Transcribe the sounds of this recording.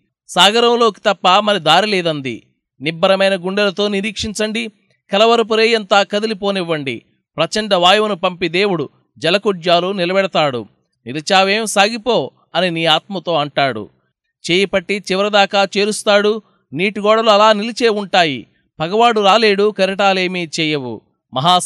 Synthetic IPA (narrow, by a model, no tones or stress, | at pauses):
saːɡɐɾɐmlo̞ːki̥t̪ɐpːɐmɐɾid̪aːɾilɛːd̪ɐnd̪ḭ | nibːɐɾɐmɐjnɐɡuɳɖɐlɐt̪o̞ːniɾiːkʂiɲt͡ʃɐɳɖi | kɐlɐʋɐɾɐp̬uɾeːjɐnt̪aːkɐd̪ilipo̞ːniʋːɐɳɖḭ | pɾɐt͡ʃɐɳɖɐʋaːjɐʋɐnupɐmpid̪e̞ːwuɽu | d͡ʒɐlɐkuɖjaːlunilɐbɛɽɐt̪aːɽṵ | nilɐt͡ʃaːʋeːmsaːɡipo̞ː | ɐniniːaːt̪mɐt̪o̞ːɐɳʈaːɽṵ | t͡ʃeːjɐpɐʈːit͡ʃiʋɐɾɐd̪aːkaːt͡ʃeːɾust̪aːɽu | niːʈuɡɔːɽɐluɐlaːnilit͡ʃeːuɳʈaːjḭ | pɐɡɐʋaːɽuɾaːle̞ːɽukɐɾiʈ̬aːle̞ːmiːt͡ʃɛːjɐʋṵ | mɐɦaː